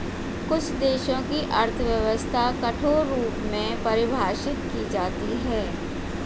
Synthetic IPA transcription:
kʊt͡ʃʰd̪eːʃõkiʔɐɾt̪ʰəʋjəʋəst̪ʰakɐʈʰoːuːpmẽpɐɾɪbʱaːʃɪt̪kid͡ʒaːt̪iɦɛː

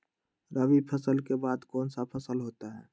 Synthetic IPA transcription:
ɾəʋipʰəsəlkebaːd̪kɔːnsapʰəsəlɦoːt̪aɦɛː

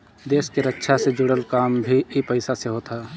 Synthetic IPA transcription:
d̪eːʃkeɾətːʃʰased͡ʒʊɽəlkaːmbʱiipəɪsaseɦoːt̪ʰaː

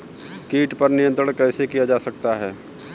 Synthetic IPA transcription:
kiːʈpɐɾnɪjənt̪ɾəɽ̃kɛːsekijad͡ʒaːsɐk̚t̪aɦɛː

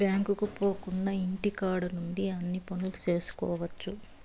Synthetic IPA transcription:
bjaːŋkukupoːkuɳɖɐiɳʈikaːɽunuɳɖiɐnːipɐnulut͡ʃe̞ːsu̥kɔːʋɐt͡ʃːu

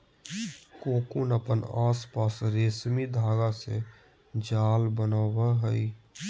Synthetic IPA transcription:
koːkunəpənaːspaːsɾeːsmid̪ʱaːɡasḛ | d͡ʒaːlbənaːwaɦəi

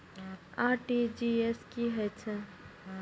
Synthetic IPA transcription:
aːʈid͡ʒieskiɦɛt͡ʃʰɛ

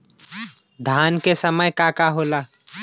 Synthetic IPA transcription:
d̪ʱaːnkesəməjkakaɦoːlaː

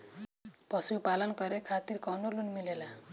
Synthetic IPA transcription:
pʌsupalʌnkʌɾekʰat̪irkʌwnolunmilela

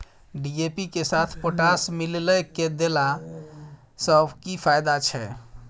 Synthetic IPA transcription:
ɖid͡ʒepikesat̪ʰpəʈasmillɛked̪ela | səbʱkipʰajd̪at͡ʃʰɛ

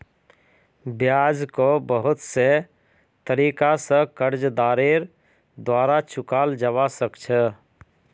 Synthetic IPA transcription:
bjad͡ʒkobəɦʊt̪se | t̪əɾiːkasə̃kəɾd͡ʒd̪aːɾeɾ | d̪waːɾat͡ʃʰʊkaːld͡ʒəwasəkt͡ʃʰə

